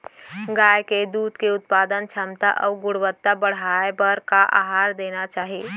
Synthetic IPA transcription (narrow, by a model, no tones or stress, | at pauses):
ɡaːjked̪uːd̪keʊt̪̚paːd̪ənt͡ʃʰəmt̪a̰ʔɔ̰ʊɡʊɽʋət̪ːabəɽ̤aebəɾkaʔa̰ɦaːɾd̪eːnat͡ʃaːɦi